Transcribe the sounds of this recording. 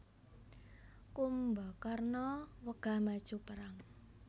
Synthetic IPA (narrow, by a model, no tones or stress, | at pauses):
kumbɔkarnɔwəɡ̥a̤hmad̥ʒ̥ṳpəɾaŋ